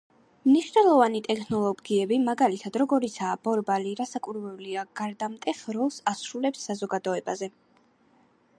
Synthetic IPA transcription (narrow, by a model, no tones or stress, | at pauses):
mniʃnɛlˠɔvanit̪ʼɛkʰnɔlˠɔɡiɛbimaɡalit̪ʰad̪ɾɔɡɔɾit̪sʰaːb̥ɔɾbaliɾasakʼuɾvɛuliaɡ̥aɾd̪amt̪ʼɛχɾɔlˠsasɾulɛpsːazɔɡad̪ɔɛbazɛ